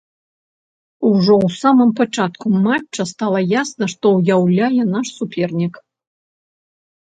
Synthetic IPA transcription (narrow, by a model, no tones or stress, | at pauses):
uʐɔwsamɨmpat͡ʂat̪kumat͡ʂt͡ʂːɐst̪alˠɐjasnɐʂt̪ɔwjawlʲajɛnaʂsupʲʰɛrnʲik